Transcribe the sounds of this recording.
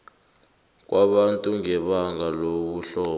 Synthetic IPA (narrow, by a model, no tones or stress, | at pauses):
k̬waɓantʼuŋɛɓaŋɡaloɓuɬɔː